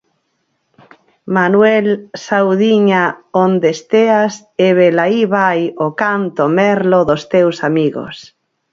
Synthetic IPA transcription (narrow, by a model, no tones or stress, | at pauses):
manwɛlsawðiɲaond̪est̪eas | eβelaiβajokant̪omɛɾloðost̪ewsamiɣo̰s